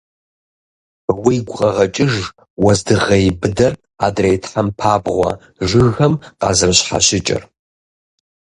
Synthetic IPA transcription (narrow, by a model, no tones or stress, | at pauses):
wijɡʷʊqʼɐʁɐt͡ʃʼɪʒ | wɐzdɨʁɐjbɨdɐr | aːdrejtʰħampʰaːbʁʷɐ̰ | ʒɨɣɐmqɑ̰ːzɨrɕħa̰ɕɪt͡ʃʼɐ̰r